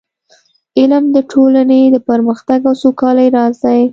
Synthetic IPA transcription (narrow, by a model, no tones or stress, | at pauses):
ɪlmd̪əʈʰolaned̪əpəɾməxt̪aɡawsokɑlajɾɑzaj